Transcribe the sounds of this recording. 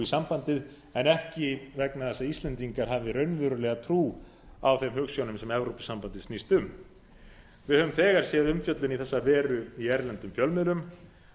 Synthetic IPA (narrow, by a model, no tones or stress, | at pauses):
isampant̪ɪð | ɛnɛhcɪvɛknaθɛsaist̪lɛnt̪iŋkaɾ̥ɦaːvɪɾœɥnvʏɾʏlɛːɣat̪ʰɾuː | awθemɦʏːksjownʏmsɛmɛvɾowpɪ̥sampant̪ɪsnist̪ʏm | vɪðhœvʏmθɛːɣaɾ̥sjɛːðʏmfjœt̪lʏniθɛsːavɛːɾʏiɛɾlɛnt̪ʏmfjœlmɛlʏm